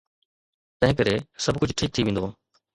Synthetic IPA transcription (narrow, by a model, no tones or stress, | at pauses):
t̪ɐ̃ɦɪ̃ŋkəɾesɐbʱkʊd͡ʑʱʈʰiːk̚t̪ʰiʋẽːn̆d̪oː